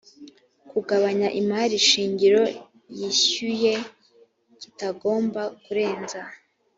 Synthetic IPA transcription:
kuɡaβaɲaʔimaɾiʃiːɲɟiɾo̞ | jiɕuje̞ | citaɡo̞ːmbakuɾe̞ːnza

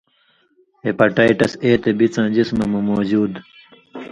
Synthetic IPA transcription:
epɐʈaːiʈɐseːt̪ebit͡sãːd͡ʑismɐmɐmoːd͡ʑuːd̪

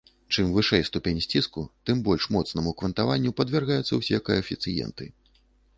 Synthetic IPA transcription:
t͡ʂɨmvɨʂɛjst̪upʲenʲsʲt͡sʲiskut̪ɨmbɔlʲʂmɔt̪snɐmukvɐnt̪avanʲːupɐd̪vʲɛrɣajɛt̪sːɐ̰wsʲɛkɐjɐfʲit̪sɨjɛ̰nt̪ɨ

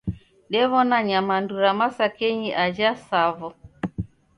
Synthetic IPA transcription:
dɛβɔnaɲamanduɾamasakɛɲiʔad͡ʒasavɔ

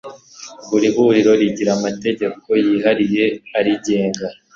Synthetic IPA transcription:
buɾiɦuɾiɾo̞ɾiɟiɾamate̞ɟe̞ko̞jiɦaɾije̞aɾiɟe̞ːŋɡa

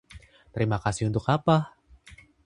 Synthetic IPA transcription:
t̪əɾimakasɪhunt̪ʊkapa

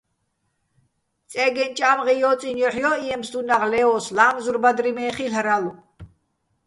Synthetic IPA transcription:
t͡sʼɛɡɛnt͡ʃʼamʁijɔːt͡sʼinjɔħjɔiɛmsd̪unaʁlɛɔslamzurbad̪ɾimɛːχiɬɾalu

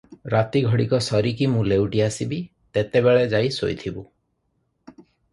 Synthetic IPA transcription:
ɾat̪iɡʱɔɽikɔsɔɾikimũlewʈiasibi | t̪et̪ebeɭed͡ʒajso̰jt̪ʰibu

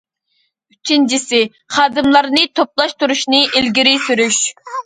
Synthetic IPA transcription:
yt͡ʃʰint͡ʃʰisɪ | χɑːd̪ɨmlˠɑɾnɨt̪ʰoplˠɑʃt̪uɾuʃnɨʔilɡʲiɾyjsyɾyʃ

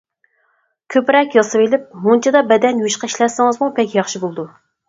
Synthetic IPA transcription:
kʲʰøpɾɛkʲjɑsɨwelɪp̚munt͡ʃʰɛd̪ɑbɛd̪ɛnjuʃqɑiʃlɛsɨŋɨzmupʰɛkʲjɑχʃibolˠɨd̪u

